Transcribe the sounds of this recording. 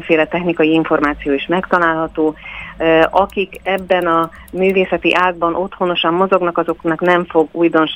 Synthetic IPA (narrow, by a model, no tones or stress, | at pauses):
feːlɛt̪ɛxnikɒjiiɱfo̞rmaːt̪sijoːiʃmɛkt̪ɒlaːlɦɒt̪oː | ɒkikɛbːɛnɒ | myːveːsɛt̪ḭʔaːd̪̚bɒnʔo̞t̪ho̞no̞ʃɒmːo̞zo̞ɡnɒkɒzo̞knɒknɛɱfo̞ɡuːjd̪o̞nʃ